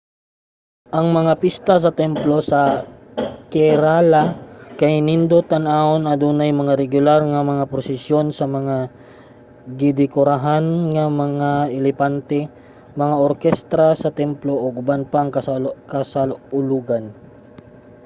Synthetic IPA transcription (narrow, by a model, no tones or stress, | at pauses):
ʔɐŋmɐŋapist̪ɐs̬ɐt̪ɛmplo̞sɐ | kɛɾalakɐjnind̪ot̪ɐnʔaonɐd̪uːnajmɐŋaɾɛɡʊlaɾŋɐmɐŋapɾosɪsjo̞nsɐmɐŋa | ɡɪd̪ɪkoɾaɦanŋɐmɐŋaɛlɛpant̪ɛ | mɐŋaʔoɾkɛst̪ɾasɐt̪ɛmploʔoɡʊbanpaŋkɐkɐsalʊluːɡan